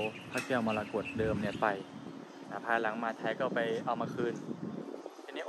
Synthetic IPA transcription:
pʰaː˦˥˩kɛː˧˥˩wmaː˧laː˧ko˨˩t̪̚dɤː˧mni˥˩pa˧j | na˧˩pʰaː˧la˩˦ŋmaː˧t͡ɕ̪ʰaː˦˥jkɔː˥˩pa˧jʔa˧wmaː˧kʰɯː˧˩n | i˧˩ni˥˨ʔ

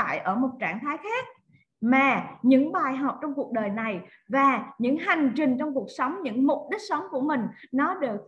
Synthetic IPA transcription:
a̰ː˧˨jʔəː˧˩mo˨˩t̚t͡ɕaː˧˩ŋt̪ʰaː˨˦jxaː˦˥k̚ | maː˨˩ɲɨ̰˧˥ŋɓaː˨˩jɦɔ˨˩p̚t͡ɕɔ˧wŋ͡mku˨˩ək̚ɗəː˨˩jna˨˩j | vaː˨˩ɲɨ̰˧˥ŋha˨˩jŋ̟t͡ɕï˨˩ŋ̟t͡ɕɔ˧wŋ͡mku˨˩ək̚sə˨˦wŋ͡mɲɨ̰˧˥ŋmʊ˨˩k͡p̚ɗï˦˥k̚sə˨˦wŋ͡mku˧˩əmï˨˩ŋ̟nɔ˨˦ɗɨ˨˩ək̚

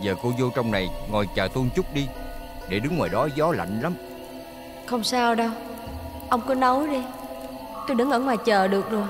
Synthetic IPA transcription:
zəː˨˩ko˧zo˧t͡ɕɔ˧wŋ͡mna˨˩jŋɔ˨˩jt͡ɕaː˨˩t̪u˧nt͡ɕʊ˦˥k͡p̚ɗi˧ɗe˧˩ɗɨ˨˦ŋːwaː˨˩jɗɔ˨˦zɔ˨˦la̰˧˨jŋ̟la˨˦m | xə˧wŋ͡msaː˧wɗə˧w | ʔə˧wŋ͡mkɔ˨˦nɔ˨˦jɗi˧ | t̪o˧jɗɨ˨˦ŋʔəː˧˩ŋwaː˨˩jt͡ɕəː˨˩ɗɨ˨˩ək̚zo˨˩j

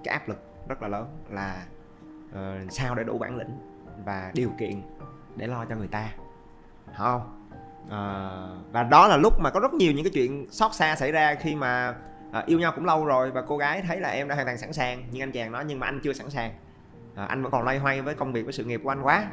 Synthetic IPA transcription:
kaː˨˦jʔaː˦˥p̚lɨ˨˩k̚zə˦˥laː˨˩ləː˨˦nlaː˨˩ | ʔəː˨˩saː˧wɗe˧˩ɗṵ˧˩ɓa̰ː˧˩nlḭ̈˧˨ŋ̟ | vaː˨˩ɗi˨˩əwkḭ˧˨ən | ɗe˧˩lɔ˧t͡ɕɔ˧ŋɨ˨˩əjt̪aː˧ | hə˧ŋ͡m | ʔəː˨˩vaː˨˩ɗɔ˨˦laː˨˩lʊ˦˥k͡p̚maː˨˩kɔ˨˦zə˦˥t̚ɲi˨˩əɲɨ̰˧˥ŋkaː˨˦t͡ɕwḭ˧˨ənsɔ˦˥t̚saː˧sa̰˧˩jzaː˧xi˧maː˨˩ | ʔəː˨˩ʔi˧əwɲa˧wkʊ̰˧˥ŋ͡mlə˧wzo˨˩jvaː˨˩ko˧ɣaː˨˦jt̪ʰə˨˦jlaː˨˩ʔɛ˧mɗaː˧˥hːŋt̪aː˨˩ŋsa˧˩nsaː˨˩ŋɲɨ˧ŋʔa˧ŋt͡ɕaː˨˩ŋnɔ˨˦jɲɨ˧ŋmaː˨˩ʔa˧jŋ̟t͡ɕɨ˧əsa˧˩nsaː˨˩ŋ | ʔəː˨˩ʔa̰˧jŋvə̰˧˥nkɔ˨˩nlwa˧jɦwa˧jvəː˨˦jkə˧wŋ͡mvi˨˩k̚vəː˨˦sɨ̰˧˨ŋi˨˩p̚kʔa˧ŋkwaː˨˦

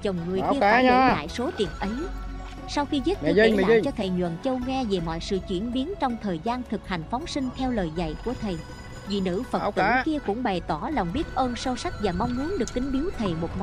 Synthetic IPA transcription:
t͡ɕə˨˩wŋ͡mŋɨ˨˩əkki˧əː˧la̰ː˧˨jso˨˦t̪ḭ˨˩ənʔə˨˦j | sa˧wxi˧zə˦˥t̚ːl̰t͡ɕɔ˧t̪ʰe˨˩ɲwə̰˧˨nt͡ɕə˧wŋaː˧ve˨˩mɔ̰˧˨jsɨ̰˧˨t͡ɕwḭ˧˩ənɓi˨˦ənt͡ɕɔ˧wŋ͡mt̪ʰəː˨˩jzaː˧nt̪ʰɨ˨˩k̚ha˨˩jŋ̟fɔ˨˦wŋ͡msï˧ŋ̟t̪ʰɛ˧wləː˨˩jza̰˧˨jku˧˩ət̪ʰe˨˩ | vḭ˨˩nɨ̰˧˥fə˨˩t̪ɨ˧˦˥ki˧əkʊ̰˧˥ŋ͡mɓa˨˩jt̪ɔ˧˩laː˨˩wŋ͡mɓi˦˥ət̚ʔəː˧nsə˧wsa˦˥k̟̚vaː˨˩mɔ˧wŋ͡mmu˨˦ənɗɨ˨˩ək̚ːï˨˦ŋ̟ɓi˨˦əwt̪ʰe˨˩mo˨˩t̚mɔ˨˧˦

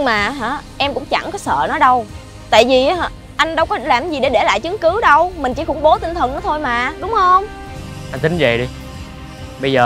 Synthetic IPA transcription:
ɲɨ˧ŋŋ͡mmaː˨˩ɦaː˧˩ʔɛ˧mkʊ̰˧˥ŋ͡mt͡ɕa̰˧˩ŋkɔ˨˦sə̰ː˧˨nɔ˨˦jɗə˧w | t̪a̰ː˧˨jvi˨˩˨ | ʔa˧jŋ̟ɗə˧wkɔ˨˦laː˨˩mzi˨˩ɗe˧˩ɗe˧˩la̰ː˧˨jt͡ɕɨ˨˦ŋkɨ˨˦ɗə˧wmï˨˩ŋ̟t͡ɕi˧˩xʊ˧˥ŋ͡mɓo˨˦t̪i˧n̟t̪ʰə˨˩nɔ˨˦t̪ʰo˧jmaː˨˩ɗʊ˨˦ŋ͡mhə˧wŋ͡m | ʔa˧nt̪ï˨˦ŋ̟zə̰˨˩jɗi˧ | ɓə˧jzəː˨˩

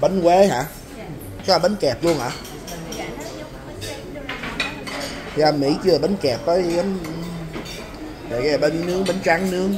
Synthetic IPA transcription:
ɓə˨˦nkwe˨˦ɦa̰ː˧˨ | t͡ɕɔ˧˩ɓə˨˦nkɛ˨˩p̚lu˧əŋʔa̰ː˨ | a˨˩mmḭ˧˥t͡ɕɨ˧˨˩ɓə˨˦nkɛ˨˩p̚vəː˨˦jə˨˦n˨˩ | kːɓə˨˦nnɨ˨˦˥əŋ̚ɓə˨˦nt͡ɕa˨˦ŋnɨ˦˥əŋ

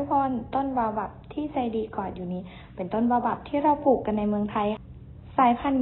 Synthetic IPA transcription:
bɔː˧˥˨nt̪o˥˨nwaː˧wba˧˩p̚t̪ʰiː˥˩˨sa˧jdiː˧kɔː˨˩t̪̚juː˨˩niː˧˥˩ | pe˨˦nt̪o˥˩nwaː˧wba˨˧˩p̚t̪ʰiː˥˩ɾa˧˥˩wpʰuː˨˩kːa˧nːa˧jmɯ˧əŋt̪ʰa˧j | saː˨˦jpʰa˧˥˨n

